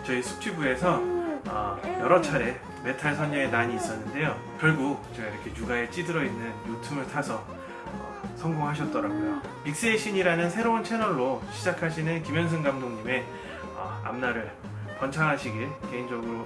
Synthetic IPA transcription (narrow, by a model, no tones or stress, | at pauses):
t͡ɕʌisʰu̥t͡ɕʰibue̞sʰʌʌ̰jʌɾʌt͡ɕʰaɾe̞ | me̞tʰaɭsʰʌɲːʌŋenaɲiːs͈ʌnːɯnde̞jo | kjʌɭɡut͡ɕʌiɾʌkʰe̞juɡaet͡ɕ͈idɯɾʌinːɯnjutʰubɯɭtʰasʰʌ | ʌ | sʰʌŋɡoŋɦaɕ̬ʰʌt̚t͈ʌɾaɡojo | mik̚s͈eeɕʰiɲiɾanɯnsʰe̞ɾount͡ɕʰe̞nʌɭːoɕʰid͡ʑakʰaɕʰinɯnkimjʌns̬ʰɯŋɡamdoŋɲime̞ | ʌ̰a̰mnaɾɯɭ | pʌnt͡ɕʰaŋɦaɕʰiɡiɭke̞ind͡ʑʌɡɯɾo